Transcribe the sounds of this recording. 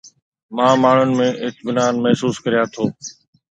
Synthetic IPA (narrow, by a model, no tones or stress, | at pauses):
mãːmaːɳ̤ʊnɪ̆mẽːʔɪk̚bɪnaːnmɛɦsuːskəɾɪjaːt̪ʰoː